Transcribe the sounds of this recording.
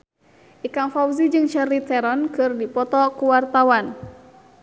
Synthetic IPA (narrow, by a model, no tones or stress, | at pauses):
ʔikaŋfawzid͡ʒɨŋʃɛrit̪ɛɾɔnkɨrdipɔt̪ɔkuwart̪awan